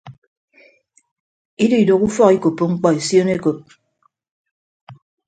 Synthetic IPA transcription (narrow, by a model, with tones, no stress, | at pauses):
i˦də˦i˨do˨ku˦fɔ˦ki˦ko˨pːo˦˨ŋ͡m̩˦k͡pɔ˦e˨sjo˦ne˦ko˨p̚